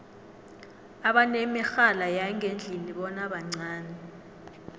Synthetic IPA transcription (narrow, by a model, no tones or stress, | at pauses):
aɓanemixalajaŋʱend͡ɮʱiniɓɔnaɓaŋ͡ǀaːnɛ